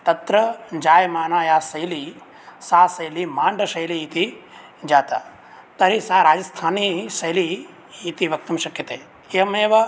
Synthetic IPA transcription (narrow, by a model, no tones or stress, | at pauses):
t̪ɐt̪ɾɐd͡ʒaːjmaːnaːjaːsɐjli | saːsɐjlimaːɳɖɐʃɐjliːt̪i | d͡ʒaːt̪a̰ | t̪ɐɾisaːɾaːd͡ʒɐst̪ʰaːnisɐjliː | t̪iʋɐk̚t̪ɐmʃɐkjɐt̪eː | emeːʋɐ